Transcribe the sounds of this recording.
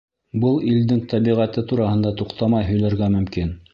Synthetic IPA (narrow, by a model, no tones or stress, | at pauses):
bɤlˠild̪ɘŋt̪æβiʁæt̪ɘt̪uɾɑhɤ̆nd̪ɑt̪uqt̪ɑmɑjɦɵ̆jlæɾɡæmɵ̆mkin